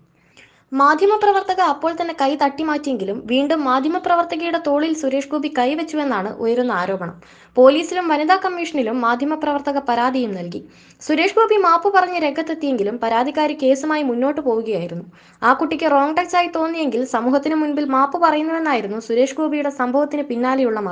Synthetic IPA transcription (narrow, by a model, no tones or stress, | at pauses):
maːd̪ʱjɐmɐprɐʋɐrt̪ɐɣɐːpːo̞ːɭt̪ɐnːe̞kɐjt̪ɐʈːimaːtːije̞ŋɡilumʋiːɳɖumːaːd̪ʱjɐmɐprɐʋɐrt̪ɐɣɐjuɽe̞t̪o̞ːɭilsuɾe̞ːʂɡoːbikɐjʋet͡ɕːue̞nːaːɳɨ̰ʔojɐɾunːɐaːɾo̞ːbɐɳɐ̰m | po̞ːliːsilumʋɐnid̪aːkɐmːiːʂɐɳilumːaːd̪ʱjɐmɐprɐʋɐrt̪ɐɣɐpɐɾaːd̪ʱijumnɐlki | suɾe̞ːʂɡoːbʱimaːpːɨpɐrɐɲːɐɾe̞ɡʱːɐt̪ːet̪ːije̞ŋɡilumpɐɾaːd̪ʱikːaːɾike̞ːsumaːjimunːo̞ːʈːɨpo̞ːɣuɣɐjaːjiɾunːu | aːkuʈːikʲːɨro̞ːŋʈɐksaːjit̪o̞ːnːije̞ŋɡilsɐmuːɦɐt̪ːinɨmunbilmaːpːɨpɐrɐjunːɐʋe̞nːaːjiɾunːusuɾe̞ːʂɡoːbʱijuɽe̞sɐmbʱɐʋɐt̪ːinɨpinːaːlejuɭːɐmɐ